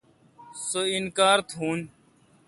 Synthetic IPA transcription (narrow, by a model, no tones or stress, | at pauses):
soinkaːɾt̪ʰuːn